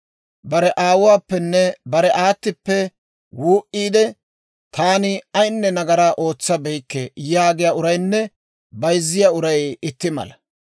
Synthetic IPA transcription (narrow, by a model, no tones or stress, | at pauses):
bɐɾɛʔaːwʊwaːpːɛnːɛbɐɾɛʔaːt̪ːɪpːɛ | wuːʔiːd̪ɛ | t̪aːnɪɐjnːɛnɐɡɐɾaːʔo̞ːt͡sːɐbɛjkːɛjaːɡɪjaʊɾɐjnːɛ | bɐjzːɪjaʊɾɐjɪt̪ːɪmɐ̰lɐ